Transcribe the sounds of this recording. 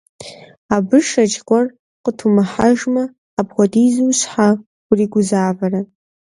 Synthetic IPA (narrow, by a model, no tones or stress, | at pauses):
abɨʂat͡ʃkʷʼar | qʼətʰumaħaʒmaː | bʁʷadizuɕħḁ | riɡʷʊzaːbara